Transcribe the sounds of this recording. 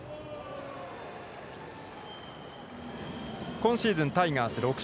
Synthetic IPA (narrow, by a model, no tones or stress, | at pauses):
kõ̞ɰ̃ɕiːzɨ̃nt̪aiŋaːsɨɾo̞k